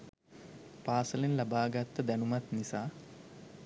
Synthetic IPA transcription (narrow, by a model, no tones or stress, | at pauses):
paːsəlinlabaːɡat̪ːəd̪ænumat̪nisaː